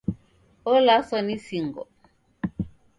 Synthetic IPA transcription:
ɔlasɔnisiŋɡɔ̰

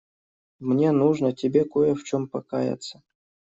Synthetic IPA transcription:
mnʲenuʐnətʲɪbʲekojəft͡ɕompɐkajə̰t̪sə

